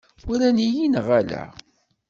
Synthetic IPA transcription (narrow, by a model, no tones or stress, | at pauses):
ʊɾænijinʁælæ̰